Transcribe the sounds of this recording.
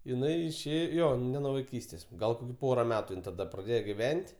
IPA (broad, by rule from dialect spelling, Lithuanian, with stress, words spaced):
ɪˈnɐɪ ɪʃʲˈeː ˈjoː nʲɛ nuɔ ʋɐɪˈkʲiːsʲtʲeːs ˈɡɐlˠ ˈpoːrɐ ˈmʲæːtʊ ˈɪn tɐˈdɐ prɐˈdʲeːjoː ɡʲɪˈʋʲɛnʲtʲ